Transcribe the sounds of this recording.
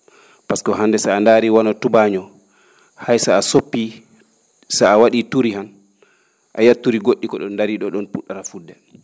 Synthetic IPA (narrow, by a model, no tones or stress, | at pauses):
paskɔɦandɛsaandaːɾiwanɔtubaɲɔ | hajsaːsopːi | saawaɗituɾihan | ʔa̰jatːuɾiɡoɗːikɔɗɔnːdaɾiɗɔɗɔnpuɗːaɾafudːɛ